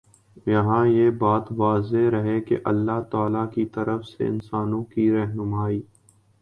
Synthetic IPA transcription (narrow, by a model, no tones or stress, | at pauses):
jɐɦãjebaːt̪ʋaːzeɾɐɦekḛʔɐlːaɦt̪aːlakit̪ɐɾəfsḛɪ̰nsaːnõkiɾɛɦnʊmaːiː